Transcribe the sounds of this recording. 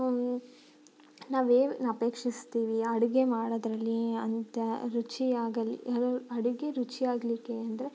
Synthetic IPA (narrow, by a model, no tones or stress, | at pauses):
naːʋeːnɐpe̞ːkʂist̪iːʋiɐɽuɡe̞maːɽɐd̪ɾɐlːiɐnt̪ɐɾut͡ʃiaːɡɐlːḭlɐɽuɡe̞ɾut͡ʃiaːɡɐlikːe̞ɐnd̪ɐɾe